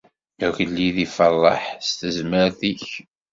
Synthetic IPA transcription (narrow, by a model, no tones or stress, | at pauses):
æʝəlːiðifəlˤːɑ̰ħst̪əzməɾθiç